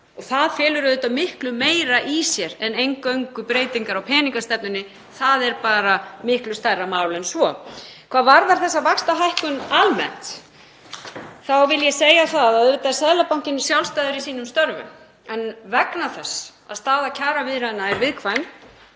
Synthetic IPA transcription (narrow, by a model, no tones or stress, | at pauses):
ɔɣθaðfjɛːlʏɾʏðʏːt̪amɪhklʏmeːjɾaʔisjɛɾɛnejŋkœɥŋkʏpɾeːjt̪iŋkaɾawpʰɛːniŋkast̪ɛp̚nʏnːɪ | θaðɛɾpaːɾamɪhklʏst̪ajrːamaːwlɛnsvɔkʰvaːðvaɾðaɾ̥θɛsːavakst̪aɦajhkʏnalmɛ̰n̥t̪ | θawvɪljɛseːjaθaððaðɪt̪asɛðlapawŋ̥cɪnːʏsjawlst̪ajðʏɾisiːnʏmst̪œɾvʏ̰m | ɛnvɛknaθɛsːa̰ðst̪aːðacʰaːɾavɪðɾanːaɛɾvɪðkʰvajm